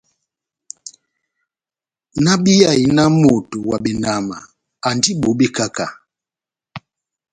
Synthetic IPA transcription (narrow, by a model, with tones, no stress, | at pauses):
na˦ɓi˦ja˨i˨na˦mo˨tu˨wa˨ɓɛ˨na˨ma̰˨ | a˨ndi˦ɓo˨˦ɓi˦ka˦ka˨